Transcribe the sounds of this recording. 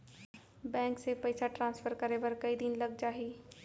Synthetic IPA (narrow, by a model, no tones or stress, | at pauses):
bɛ̃ːŋksepɐɪsaʈɾãːnsfəɾkɐɾebɐɾkɐid̪ɪnlɐɡd͡ʒaːɦiː